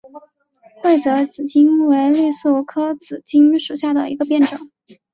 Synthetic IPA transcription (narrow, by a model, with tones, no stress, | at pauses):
we˥˩ɪt͡sɤ˧˥t͡sɹ̩˨˩t͡ɕi˥nwe˧˥ɪly˥˧su˥˩˥kʰɤ˥t͡sɹ̩˨˩t͡ɕi˥ŋʂu˨˩ɕja˥˩d̪ə˩i˧˥ɡə˧pjɛ˥˩nʈ͡ʂɤ˨˩˦ŋ